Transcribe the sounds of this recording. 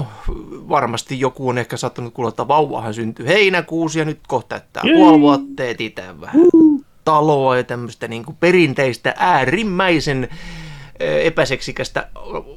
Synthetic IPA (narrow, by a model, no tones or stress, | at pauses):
noʋɑrmɑst̪ijjokuonehkæsɑːt̪ːɑnut̪̚kulːɑt̪ːɑʋɑuwːˑɑ̰hɑnsynt̪yheinækuːsjɑnyt̪koht̪ɑ̰ˑt̪ːæ̰ːkpuɑlʋuɑt̪ːeːt̪it̪æ̰ːʋʋæhæ | t̪ɑloɑjɑt̪æmːøst̪æniːŋkuperint̪eist̪æ̰ʔæːrimːæisen | epæseksikæst̪æ̰